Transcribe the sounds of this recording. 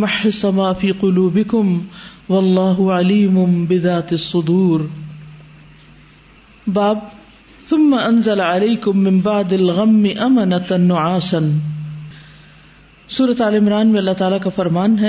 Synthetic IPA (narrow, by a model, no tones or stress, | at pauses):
maħːɪsˤamaːʔfiːqʊluːbɪkʊmwɐlˤːɑːɦʊʕaliːmʊbɪðaːt̪ɪsˤːʊd̪uːɾ | baːb̚ | θʊmːaʔɐnzalaʕaleːkʊmːɪ̃mbaʕd̪alɣɐmːɪʔɐmɐnat̪nːʊʕaːsan | suːɾat̪aːlɪmɾaːnmẽɐlːat̪aːlakafɐɾmaːnɦɛ